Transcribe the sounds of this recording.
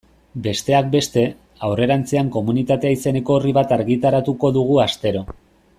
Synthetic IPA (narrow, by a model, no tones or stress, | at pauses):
be̞st̪e̞ak̚be̞st̪e̞ | awre̞ɾant͡se̞aŋko̞munit̪at̪eaise̞ne̞ko̞ːriβat̪aɾɣit̪aɾat̪uko̞ðuɣ̞uast̪e̞ɾo̞